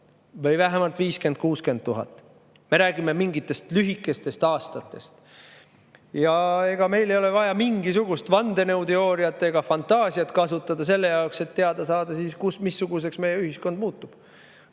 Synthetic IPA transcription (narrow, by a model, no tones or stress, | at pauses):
vɤ̞jvæɦemɑlt̪viːske̞n̚kuːske̞nd̪̚t̪ːuɦɑ̰t̪ːˑ | me̞ɾæːɡ̥imemiŋɡit̪ːˑe̞st̪lyɦikːˑe̞st̪e̞st̪ɑːst̪ɑt̪ːˑe̞st̪ | jɑe̞ɡ̥ɑme̞jlejo̞le̞vɑjɑmiŋɡisuɡ̥ust̪vɑnd̪̥e̞newt̪eo̞ːɾiɑt̪ˑːeɡ̥ɑfɑnt̪ɑːsiɑt̪kɑsut̪ːˑɑd̪̥ɑse̞lːe̞jɑokse̞t̪ːe̞ɑd̪ɑsɑːd̪̥ɑsiːskusmisːuɡ̥us̬e̞ksme̞jeyhisko̞nd̪muːt̪ːˑub̥